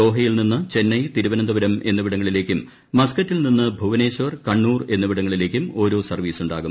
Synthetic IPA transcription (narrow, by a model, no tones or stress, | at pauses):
o̞ːɦɐjilninːɨt͡ɕe̞nːɐjt̪iɾuʋɐnɐnd̪ɐʋɐɾɐmʔe̞̰nːuʋiɽɐŋːɐɭile̞ːkʲːumː | ɐskɐtːilninːɨbʱuʋɐne̞ːɕɐʋɐrkɐɳːuːre̞nːuʋiɽɐŋːɐɭile̞ːkʲːumo̞ːɾo̞ːsɐrʋiːsuɳɖa̰ːɣum